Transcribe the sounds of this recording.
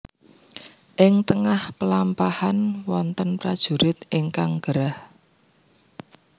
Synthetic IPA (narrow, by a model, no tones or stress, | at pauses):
ʔɪŋt̪əŋahpəlampahanwɔnt̪ənpɾad̥ʒ̥ṳɾɪt̪ɪŋkaŋɡ̥əɾah